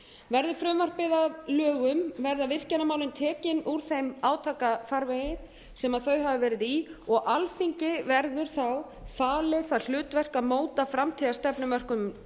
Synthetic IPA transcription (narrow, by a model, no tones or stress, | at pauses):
vɛɾðʏfɾʏmvar̥k̚pɪðalœːɣʏmvɛɾðavɪr̥cɛnamaːwlʏmt̪ʰɛːcɪnuɾ̥θejmaːwt̪ʰaːkafaɾvejɪ | sɛmaðθœɥɦavɪvɛːɾɪðiɔɣʔalθiɲcɪvɛɾðʏɾ̥θaw | faːlɪθaðl̥ʏːt̪vɛr̥kamoːwt̪afɾamt̪ʰiðast̪ɛpnʏmːœr̥kʏm